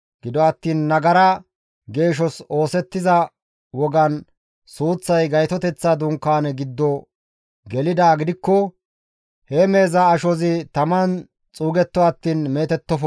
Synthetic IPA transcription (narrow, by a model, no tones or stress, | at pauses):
ɡ̥ɪd̪ɔɐt̪ːiːnːɐɡɐɾɐ | ɡe̞ːʃ̬ɔso̞ːsɛt̪ːɪzɐ | wɔɡɐn | suːt͡sːɐjɡɐjt̪ɔt̪ɛt͡sːad̪ʊŋkːaːnɛɡɪd̪ːɔ | ɡɛlɪd̪aːɡɪd̪ɪkːɔ | hɛme̞ːzɐːʃɔzɪt̪ɐmɐn | t͡sʼuːɡɛt̪ːɔɐt̪ːiːnme̞ːt̪ɛt̪ːɔfɔ